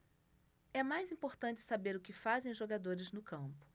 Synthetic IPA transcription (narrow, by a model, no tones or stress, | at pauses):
ɛmajzĩpoɾt̪ɐ̃nt͡ʃɪ̥sabeɾʊkɪfazẽj̃ʊʒoɡad̪oɾɪznʊkɐ̃mpʊ̥